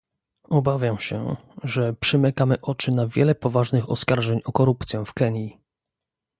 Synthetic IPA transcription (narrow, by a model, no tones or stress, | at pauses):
ɔbavʲjamɕɛ̰ʐɛpʂɘmɘkamɘʔɔt͡ʂɘnavʲjɛ̰lɛpɔvaʐnɘxɔ̰skaɾʐɛɲɔkɔɾupt̪sʲjɛ̃fkɛɲji